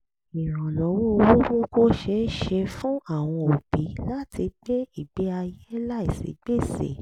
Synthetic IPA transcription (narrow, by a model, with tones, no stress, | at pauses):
i˨ɾ̃ã˨lɔ˨˦wo˦˧wo˦ɡo˦ɡo˦ʃe˧˦ʃe˧fũ˦a˦˨w̃ɔ̃˧o˨bi˨˦la˦ti˧ɡ͡be˦i˦˨ɡ͡be˨˦a˧je˦la˦i˨sḛ˨˦ɡ͡be˦˨sḛ˨